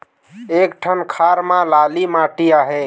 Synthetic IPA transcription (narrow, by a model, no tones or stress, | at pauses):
ekʈʰənkʰaɾmãlalimaʈijaɦɛ